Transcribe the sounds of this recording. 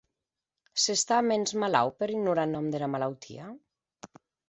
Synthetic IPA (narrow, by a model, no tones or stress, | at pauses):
sest̪amenzmala̰wpeɾiɡnuɾanɔmd̪elamalawt̪ʰḭa